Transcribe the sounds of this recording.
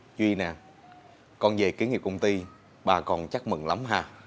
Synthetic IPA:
t͡ɕwi˧i˧na˨˩ | kɔ˧nve˨˩ki˨˦əŋi˨˩p̚kə˧wŋ͡mt̪i˧ | ɓaː˨˩kɔ˨˩nt͡ɕa˦˥k̚mɨ̰˨˩ŋla˨˦mɦaː˧˩

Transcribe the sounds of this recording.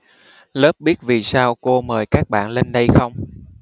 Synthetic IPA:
ləː˦˥p̚ɓi˦˥ət̚vi˨˩saː˧wko˧məː˨˩jkaː˦˥k̚ɓa̰ː˧˨nle˧nɗə˧jxə˧wŋ͡m

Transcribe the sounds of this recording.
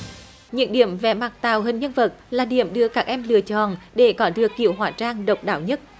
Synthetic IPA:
ɲɨ̰˧˥ŋɗi˧˩əmvɛ̰˧˩ma˨˩k̚t̪a̰ː˧˨wɦï˨˩ŋ̟ɲə˧nvə˨˩t̚laː˨˩ɗi˧˩əmɗɨ˧˩əkaː˦˥k̚ʔɛ˧mlɨ̰˧˨ət͡ɕɔ̰˧˨nɗe˧˩kɔ˨˦ɗɨ˨˩əkːḭ˧˨əwɦwaː˧˩t͡ɕaː˧ŋɗə˨˩wk͡p̚ɗa̰ː˧˨wɲə˦˥t̚

